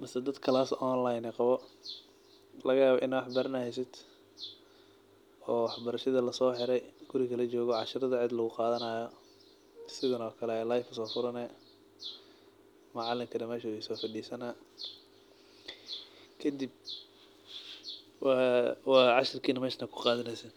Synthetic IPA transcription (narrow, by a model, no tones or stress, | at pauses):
mɐsɐd̪ɐd̪kʰɐlaːsɔːnlajnɛqɑβɔ | lɐɣɐjaːβɔʔɪnawɑħbɐɾɐnɐhɛjs̬ɪd̪ | ɔːwɑħbɐɾɐʃɐðɐlɐsɔːħɪɾɛjɡ̥ʊɾɪɣɐlɐt͡ʃɔːɣɔʕɑʃɪɾɐðɐʕɪd̪lɐɣʊqɑːðɐnaːjɔ | sɪðɐnɔːkʰɐlɛɛːlajfɐsɔːfʊɾɐnɛ | mʊʕɑlɪŋkʰɐd̪ɐmɛːʃɐʊsɔːfɐɖiːsɐnɐː | kʰɐd̪ib | wwɑːʕɑʃɪrkʰiːnɐmɛːʃnɐkʰʊ̥qɑːðɐnɛjsɛn